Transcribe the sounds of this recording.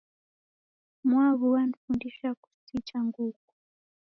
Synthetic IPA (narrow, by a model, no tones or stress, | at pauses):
mwaβuwanifundiʃaku̥sit͡ʃaŋɡuːku